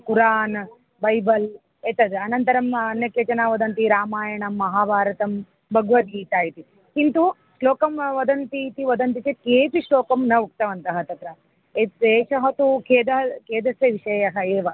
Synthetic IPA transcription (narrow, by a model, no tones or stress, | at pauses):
kuɾaːn | bɐjbɐl | eːt̪ɐd̪ɐnɐnt̪ɐɾɐmɐnjɐkjeːt͡ʃɐnaːʋɐd̪ɐnt̪iɾaːmaːjɐɳɐmːɐɦaːʋaːɾɐt̪ɐm | bʱɐɡʋɐt̪̚ɡiːt̪aːjit̪i | kint̪u | ʂloːkɐmʋɐd̪ɐnt̪it̪iʋɐd̪ɐnt̪it͡ʃekeːpiʃloːkɐmnɐʋuk̚t̪ɐʋɐnt̪ɐɦɐt̪ɐt̪ɾɐ | eeːʃɐɦɐt̪ukʰeːd̪ɐɦɐkeːd̪ɐsjɐʋiʃɐjɐɦɐeːʋɐ